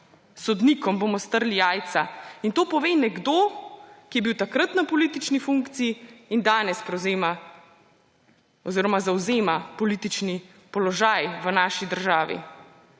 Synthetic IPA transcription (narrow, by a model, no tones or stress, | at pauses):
sɔd̪nikɔmbomɔst̪əɾlijaːjt̪saint̪oːpɔʋeːnɛɡd̪oːkijɛbiwt̪akɾat̪napɔliːt̪it͡ʃnifuŋkt̪siiːnd̪aːnɛspɾɛwzeːma | ɔziːɾɔmazawzeːmapɔliːt̪it͡ʃni | pɔlɔʒajʋənaːʃid̪əɾʒaːʋḭ